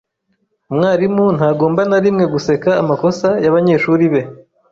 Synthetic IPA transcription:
umŋaːɾimun̥haːɡo̞ːmbanaɾimŋe̞ɡuse̞kaːmako̞sajaβaɲe̞ːʃuɾiβe̞

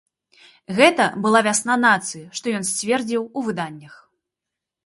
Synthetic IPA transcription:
ɣɛt̪ɐbɨlˠavʲasnanat̪sɨjɐʂt̪ɔjɔnsʲt͡sʲvʲɛrd͡zʲiwuvɨd̪anʲːɐx

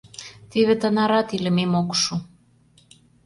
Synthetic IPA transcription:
t̪iβĕt̪ə̆nɑɾɑt̪ilɘ̆memokʃu

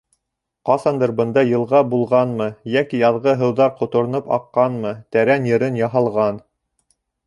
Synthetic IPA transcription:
qɑsɑnd̪ɤɾbɤ̆nd̪ɑjɤ̆lˠʁɑbulˠʁɑnmɤjækijɑðʁɤɦɤ̆wðɑɾqŏt̪ŏɾ̆nɤpɑ̰qːɑnmɤt̪æɾænjɤ̆ɾɘnjɑɦɑlˠʁɑn

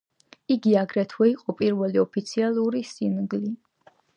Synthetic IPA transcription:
iɡiaɡɾɛt̪ʰwɛiqʼɔpʼiɾvɛliɔpʰit̪sʰialˠuɾisinɡli

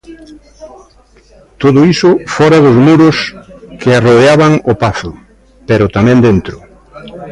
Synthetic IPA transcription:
t̪oðʊisʊfɔɾaðʊzmuɾʊskʰɪarojaβaŋʊpaθʊ | peɾʊt̪amɛ̃nd̪ent̪ɾʊ

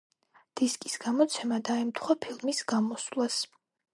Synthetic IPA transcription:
d̪̥iskʼisɡ̥amɔt̪sʰɛmad̪aɛmt̪ʰχwapʰilˠmisɡamɔslˠas

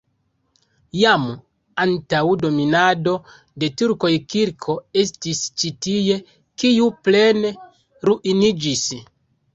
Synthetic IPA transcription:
jam | antawdo̞minado̞ | de̞tuɾko̞jkiɾkʰo̞e̞stist͡ʃitije̞ | kiuple̞ne | ɾuʔinid͡ʒis

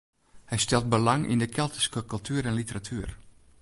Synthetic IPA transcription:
hɛjstɛlˠt̚bəlaŋʔḭndəkʰɛlˠtə̥skəkɵlˠtʰyːɾɛnlitəratʰyər

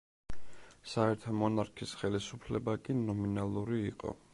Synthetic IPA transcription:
saɛɾt̪ʰɔmɔnaɾkʰisχɛlisupʰlɛbakʼinɔminalˠuɾiːqʼɔ̰

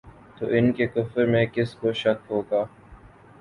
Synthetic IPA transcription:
t̪oːʔɪnkekʊfəɾmẽkɪskoʃɐkɦoːɡaː

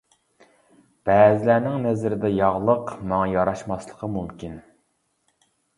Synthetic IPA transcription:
b̥ɛːzɪlænɪŋnɛzɾɪd̪ɛjɑʁlˠəqmɑŋɑjɑɾɑʃmɑslˠəqʰəmumkʲin

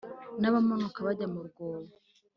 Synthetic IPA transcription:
naβamonokaβaɟamuɾɡoːβo

